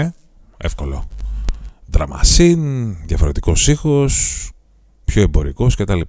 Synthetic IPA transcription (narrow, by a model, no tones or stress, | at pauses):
efko̞lo̰ | ðɾɐmɐ̰sinðjɐfo̞ɾe̞t̪i̥ko̞sixo̞s | pço̞e̞mbo̞ɾiko̞scet̪ɐli